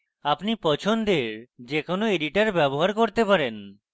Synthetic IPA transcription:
apnipɔt͡ɕʰond̪eɾd͡ʑekonoeɖiʈaɾbɛboɦaɾkoɾt̪epaɾen

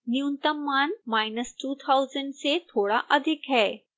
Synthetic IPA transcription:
njũnt̪əmːaːnmaːɪnəsʈuːt̪ʰaʊzə̃ɳɖset̪ʰoːɽaʔɐd̪ʱɪkɦɛː

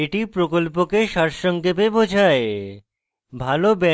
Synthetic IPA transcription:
eʈipɾokolpokeʃaɾʃɔŋɡebebod͡ʑʱae | bʱalobɛ

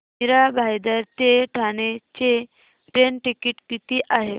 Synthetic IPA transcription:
niɾabʱajd̪aɾt̪eʈʰanet͡ɕe | ʈɾenʈikiʈkit̪iːʔaɦe

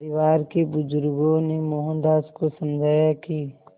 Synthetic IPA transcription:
ɾɪʋaːɾkebʊzʊɾɡõnemoɦə̃nd̪aːskosəmd͡ʒʱaːjaki

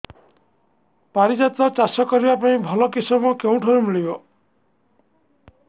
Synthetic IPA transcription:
paɾid͡ʒat̪ɾɔt͡ʃasɔkɔɾibapãĩbʱɔlɔkisɔmɔkeũʈʰɔɾumiɭibɔ

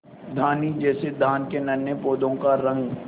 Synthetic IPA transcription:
d̪ʱaːnid͡ʒɛːsed̪ʱaːnkenɐnjəpoːd̪õkaɾɐɦẽ

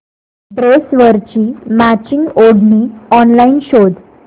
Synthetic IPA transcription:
bɾesʋəɾt͡ɕiːmat͡ɕiŋɡoɽʱniːɔnlainɕod̪

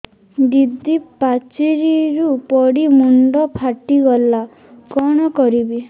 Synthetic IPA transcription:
d̪id̪ipat͡ʃiɾiɾupɔɽimuɳɖɔpʰaʈiɡɔlːa | kɔɽ̃ɔkɔɾibi

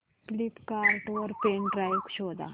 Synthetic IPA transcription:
klipkaɾʈoəɾpeːɳɖɾajkʃoːd̪a̰

